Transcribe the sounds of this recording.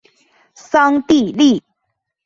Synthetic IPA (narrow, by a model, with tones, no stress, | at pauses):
sɑ˥ŋt̪i˥˧li˥˩